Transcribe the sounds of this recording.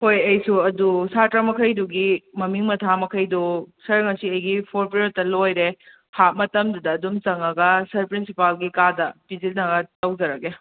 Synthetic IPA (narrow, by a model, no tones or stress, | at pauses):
hojɐjsuɐdusatɾamɐkʰɐjduɡimɐmiŋmɐtʰamɐkʰɐjdusɐɾŋɐsiɐjɡipʰoɾpɾioɾtɐlojɾe | hat̚mɐtɐmdudɐːdumt͡ʃɐŋɐɡɐsɐɾpɾinsipalɡikadɐpizilnɐɡɐtɐwd͡ʒɐɾɐɡe